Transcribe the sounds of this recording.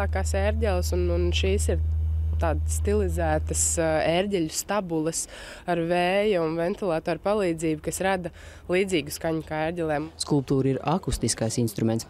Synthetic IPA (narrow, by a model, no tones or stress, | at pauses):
kaːsɛːɾɟʲɛlˠsununʃiːsiɾt̪aːd̪sːt̪ilˠizæːt̪ɐseːɾɟʲɛʎust̪abulˠəsaɾvɛːjaunvɛnt̪ilˠaːt̪oːɾpalˠiːd̪ziːbkɐsɾad̪ɐ | lˠiːd̪ziːɡuskaɲukaːɛːɾɟʲɛlʲˠɛːmskulˠp̚t̪uːɾiɾakust̪iskajsinst̪ɾumɛnt̪s